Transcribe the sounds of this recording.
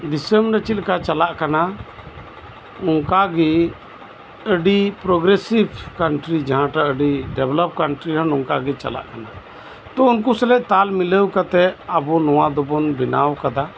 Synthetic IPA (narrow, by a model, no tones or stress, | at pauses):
ɖisəmɾət͡ʃit̪̚kat͡ʃalaʔkana | ɔŋkaɡɛ | əɖipɾɔɡɾesibkaɳʈɾid͡ʒaɦãʈaʔəɖiɖɛblɔp̚kaɳʈɾiɾanɔŋkaɡɛt͡ʃa̰la̰ʔkana | t̪ɔ̃unk̬usɛlɛʔt̪almiləwkat̪ɛabunɔwad̪ɔbɔnbinawkad̪a